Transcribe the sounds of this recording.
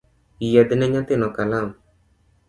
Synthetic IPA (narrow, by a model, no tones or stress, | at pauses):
ijad̪inɛɲãt̪enɔkalam